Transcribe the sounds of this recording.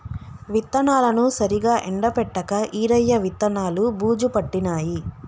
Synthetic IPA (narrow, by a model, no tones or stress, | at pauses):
ʋit̪ːɐnaːlɐnusɐɾiɡaːʔɛɳɖɐpɛʈːɐkɐʔiːɾɐjːɐʋit̪ːɐnaːlubuːd͡ʒupɐʈːinaːji